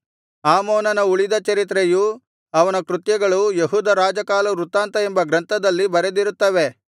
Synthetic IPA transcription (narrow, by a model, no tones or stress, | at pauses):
aːmoːnɐnɐuɭid̪ɐt͡ʃɐɾit̪ɾeju | ɐʋɐnɐkɾut̪jɐɡɐɭujeɦuːd̪ɐɾaːd͡ʒɐkaːlɐɾut̪aːnt̪ɐembɐɡɾɐnt̪ʰɐd̪ɐlːibɐɾed̪iɾut̪ːɐʋe̞